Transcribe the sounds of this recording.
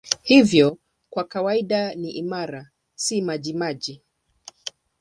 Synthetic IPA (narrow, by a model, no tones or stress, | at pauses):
hivjɔ | kwakawaiɗaniʔimaɾa | simaʄimaʄi